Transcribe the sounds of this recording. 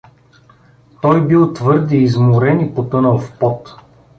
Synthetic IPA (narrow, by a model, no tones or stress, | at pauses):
t̪ɔjbilˠt̪vɤɾd̪iːzmʊɾɛnipot̪ɤnəlˠfpɔt̪